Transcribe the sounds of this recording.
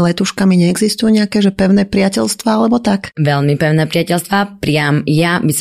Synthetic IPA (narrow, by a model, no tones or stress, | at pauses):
lɛt̪uːʃkamiɲɛɛɡzist̪ujuɲɛakɛːʒɛpɛʊnɛpɾɪacɛʎst̪ʋaalɛbɔt̪akʋɛʎmipɛʊnɛːpɾɪacɛlst̪ʋapɾɪamjabis